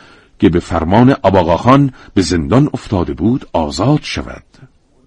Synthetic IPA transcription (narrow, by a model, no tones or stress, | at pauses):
cʰebefæɾmɒːneʔɒbɒːɣɒːxɒnbeze̞nd̪ɒnoft̪ʰɒːd̪ebuːd̪ɒːzɒːd̪̥ʃæ̰væ̰d̪̥